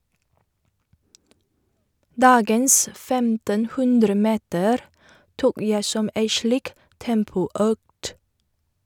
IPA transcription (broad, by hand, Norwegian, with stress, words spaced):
ˈdɑːɡəns ˈfɛmtənˌhʉndɾəˌmeːtəɾ ˈtuːk ˈjæɪ ˈsɔm ˈæɪ ˈʃliːk ˈtɛmpʊˌœkt